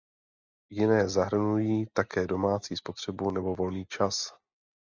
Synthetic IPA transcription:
jɪnɛːzaɦr̩nujiːt̪akɛːdo̞maːt͡siːspo̞t̪r̝̥ɛbunɛbo̞vo̞lniːt͡ʃas

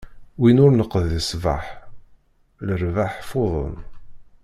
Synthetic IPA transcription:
winʊɾnəqːðːəsva̰ħ | ləɾvaħfoðˤə̰n

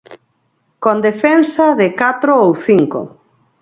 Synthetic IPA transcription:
kond̪efensaðɪkat̪ɾoowθiŋko̰

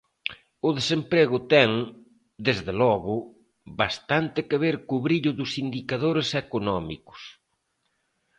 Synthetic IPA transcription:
ʊðesempɾeɣʊt̪ɛŋ | d̪ezðelɔɣʊ | βast̪ant̪ɪkeβeɾkʊβɾiʎʊðʊsind̪ikaðoɾesekonɔmḭkʊ̥s

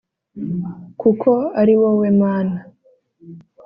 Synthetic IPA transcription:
kukʰo̞aɾiwowemaːna

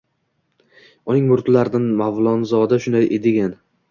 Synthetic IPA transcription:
ʊnɪŋmʊɾt̪laɾd̪anmavlˠɒnzɒd̪aʃʊnd̪ajʔed̪ɪɡʲan

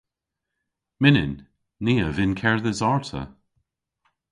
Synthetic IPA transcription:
mɪnɪ̰nː | iːəvɪnkʰɛɹðɪzɑɹtʰə̰

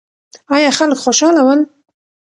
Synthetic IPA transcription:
ɑjɑxalkxoʃɑlawən

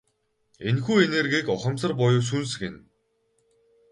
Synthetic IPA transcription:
enxuːenerɣiːkɔχə̆msə̆rp̬ɔjʊːs̬uns̬ɘ̆ken

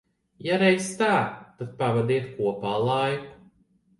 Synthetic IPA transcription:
jaɾɛjst̪aːt̪ad̪̚pavad̪iɛt̪kuɔpaːlˠaj

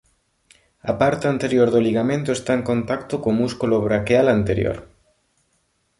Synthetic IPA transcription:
apaɾt̪eant̪eɾjoɾðoliɣamẽnt̪oest̪aeŋkont̪akt̪okomuskuloβɾakealant̪eɾjo̰ɾ

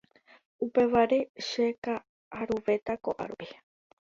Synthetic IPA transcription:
upe̞ʋaɾe̞ʃeka | ʔaɾuʋe̞t̪akoʔa̰ɾupi

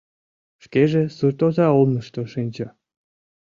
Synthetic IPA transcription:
ʃkeʒesurt̪ozɑolnəʃt̪oʃinʲt͡ɕə

